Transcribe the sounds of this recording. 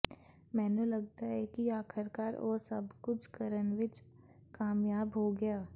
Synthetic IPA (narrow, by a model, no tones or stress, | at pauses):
mɛ̃ːnulɐɡ̚t̪aɦɛkiaːkʰəɾkaːɾo̰ːsɐ̰bkʊt͡ʃʰkəɾənʋɪt͡ʃ | kaːmjaːbɦoɡɐjaː